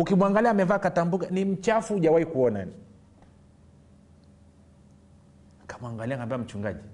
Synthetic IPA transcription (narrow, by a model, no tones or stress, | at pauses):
ukimwaŋɡaliaːmɛvaːkatambukanim̩t͡ʃafuʄawaikuɔna̰ni | kḁmuaŋɡaliaŋɡambiam̩t͡ʃuŋɡa̰ʄi